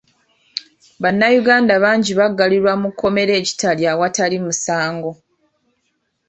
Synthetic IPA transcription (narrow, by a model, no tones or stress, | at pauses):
βanːajuɡaːndaβaːɲɟiβaɡːaliɾwamukːo̞me̞ɾe̞ːci̥taljawatalimusaːŋɡo̞